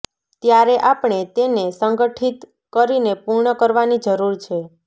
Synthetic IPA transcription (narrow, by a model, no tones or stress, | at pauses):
t̪jaɾeʔapɳ̃et̪enesəŋɡəʈʰit̪ | kəɾinepuɾɳəkəɾʋanid͡ʒəɾuɾt͡ʃʰe